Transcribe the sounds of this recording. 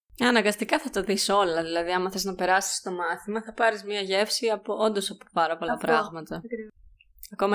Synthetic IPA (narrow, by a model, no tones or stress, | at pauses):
ɐnɐŋɡɐst̪ikɐθɐt̪ɐðiso̞lɐðilɐðiɐmɐθeznɐpe̞ɾɐsi̥st̪o̞mɐθimɐθɐpɐɾizmɲɐʝe̞fsiɐpoond̪o̞sɐpopɐɾɐpo̞lɐpɾɐɣmɐt̪ɐ | ɐko̞mɐ